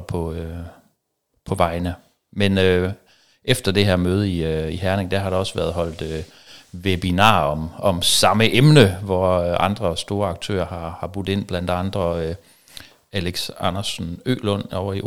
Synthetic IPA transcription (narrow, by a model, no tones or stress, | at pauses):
pʰɒ̽ø | pʰɒ̽ʋɑ̈ɪnə | menø | efd̥ɐd̥e̝ɦeɐ̰møːð̞ˠiiɦæɐneŋd̥æɦɑ̈ɾ̥eɒ̽sʋæɐð̞̩ˠɦɒ̽l̰d̥ø | ʋeb̥inɑ̰̈ːɒ̽mɒ̽msɑ̈məʔemnəʋɒøʔɑ̈nd̥ʁɐsd̥o̝ːɐɑ̈ɡ̥̚t͡sʰø̰ːɐhɑ̈hɑ̈b̥ʁud̥ˠe̝n̰b̥læn̰d̥ɑ̈nd̥ʁɐø | æleɡ̥sɑnɐsn̩ø̰ːlɔn̰ɒʊɐi